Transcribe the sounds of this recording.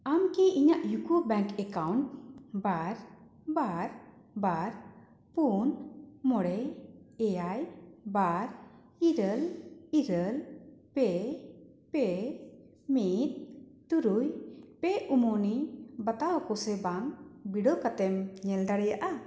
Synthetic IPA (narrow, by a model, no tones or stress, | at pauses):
amkiʔiɲaʔjukubɛ̃ŋkɛkawɳʈbaɾ | baɾ | baɾ | punmɔɽɛɛjajbaɾ | iɾəliɾəlpɛ | pɛ | mit̪̚t̪uɾujpɛumɔnibat̪aɦɔkɔsɛbaŋbiɖɔkat̪ɛmɲɛlɖaɽɛjaʔa